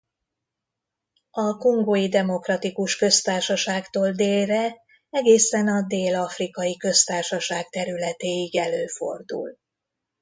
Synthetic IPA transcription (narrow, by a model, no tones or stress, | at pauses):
ɒko̞ŋɡoːjid̪ɛmo̞krɒt̪ikuʃkø̞st̪aːrʃɒʃaːkt̪oːld̪eːlrɛ | ɛɡeːsɛnɒd̪eːlɒfrikɒjikø̞st̪aːrʃɒʃaːɡt̪ɛɾylɛt̪eːiɡɛløːfo̞̰rd̪ṵl